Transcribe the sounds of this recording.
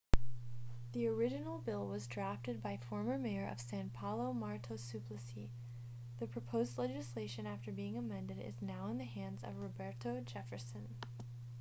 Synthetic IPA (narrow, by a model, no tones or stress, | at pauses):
ðiə˞ɪd͡ʒɨnl̩ˠbɪlˠwʌzdɹæftɨd̚baɪfɔɹmə˞meɪə˞ʔʌ̰v̥sæ̃npʰɑlˠoʊmɑɹɾoʊsʉpʰlɨsi | ðɨpʰɹ̥ɨpʰoʊzdˡlɛd͡ʒɨsleɪʃɨ̃næftə˞biɪ̃ŋəmɛ̃ndɨɾɪ̰znaʊə̃nðɨhæ̃ndzʌ̰vɹɨbɛɹɾoʊd͡ʒɛfə˞sɨ̃n